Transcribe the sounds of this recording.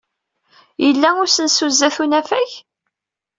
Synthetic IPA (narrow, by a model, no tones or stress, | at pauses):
jəlːæʊɾsənsuzːæθunæfæç